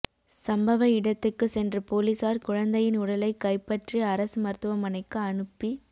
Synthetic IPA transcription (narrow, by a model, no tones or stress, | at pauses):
sɐmbɐʋɐɪɽɐt̪ːɯkːɯsɛndrɯpoːliːsaːɾkʊɻɐnd̪ɐjɪnʊɽɐlɐɪkːɐɪpːɐʈriɐɾɐsɯmɐɾt̪ɯʋɐmɐnɐɪkːɯɐɳɯpːi